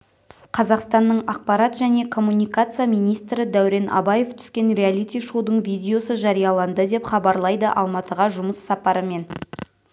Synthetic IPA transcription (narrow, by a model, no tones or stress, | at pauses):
qʰɑzɑqst̪ɑnːəɴɑq̚pɑɾɑt̪ʒæne̞kʰo̞mːunijkat̪sɨjamijnijst̪ɾɪd̪æwɾe̞nɑ̰bɑje̞ft̪ʰʏ̥skʲe̞nɾʲealʲit̪ʲijʃod̪əɴvʲijd̪ʲeo̞səʒɑɾijɑlˠɑnd̪əd̪e̞pχɑbɑɾlˠɑjd̪əʔɑ̰lˠmɑt̪əʁɑʒʊməsːɑpɑɾəme̞n